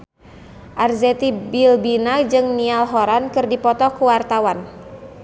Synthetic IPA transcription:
ʔarzɛt̪ibilbinad͡ʒɨŋnialɦɔɾankɨrdipɔt̪ɔkuwart̪awan

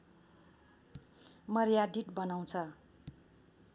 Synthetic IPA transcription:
mʌrjad̪iʈ̪bʌnaw̃t͡sʰʌ

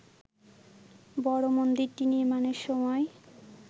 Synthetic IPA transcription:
bɔɽomond̪iɾt̪iniɾmaneɾʃɔmɔe

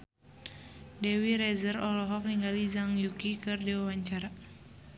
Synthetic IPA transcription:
dɛwiɾɛzərɔlɔɦɔk̚niŋɡalizaŋjukikɨrdiwawaɲt͡ʃaɾa

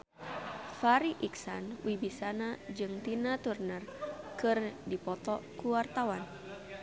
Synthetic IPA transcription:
faɾiʔiksanwibisanad͡ʒɨŋt̪inat̪urnərkɨrdipɔt̪ɔkuwart̪awan

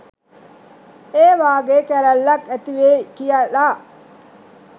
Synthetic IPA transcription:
eːʋaːɡekæɾɐlːɐkæt̪iʋeːkijɐlːaː

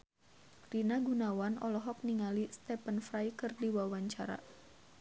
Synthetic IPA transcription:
rinaɡunawanɔlɔɦɔk̚niŋalist̪ɛpənfɾajkɨrdiwawaɲt͡ʃa̰ɾa̰

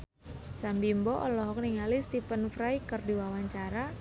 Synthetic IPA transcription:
sambimbɔʔɔlɔɦɔk̚niŋalist̪ipənfɾajkərdiwawaɲt͡ʃaɾa

